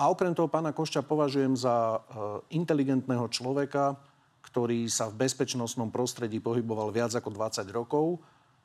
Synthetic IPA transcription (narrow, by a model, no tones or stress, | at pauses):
ʔaɔkɾɛmt̪ɔɦɔpaːnakɔʃt͡ʃapɔʋaʒujɛmza | int̪ɛliɡɛnt̪nɛːɦɔt͡ʃlɔʋɛka | kt̪ɔɾiːsavbɛspɛt͡ʃnɔsnɔmpɾɔst̪ɾɛɟiːpɔɦibɔʋalʋɪad͡zakɔd̪ʋat͡saɟɾɔkɔʊ